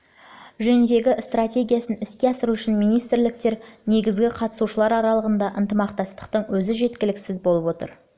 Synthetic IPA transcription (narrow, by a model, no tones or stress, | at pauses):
ʒɵnʒe̞ɡʲɪst̪rat̪ʲe̞ɡʲijasənɪskʲe̞ɑsəɾuʏʃɪnmijnijst̪ɾlɪk̚t̪e̞ɾne̞ɡʲɪzɡʲɪqʰɑt̪ə̥suʃəlˠɑɾɑɾɑlˠəʁənd̪ɑʔənt̪əmɑqt̪ɑst̪ə̥q̚t̪əɴwɵzɪʒe̞t̪kʲɪlɪksɪzbo̞lˠəpwo̞t̪ə̰ɾ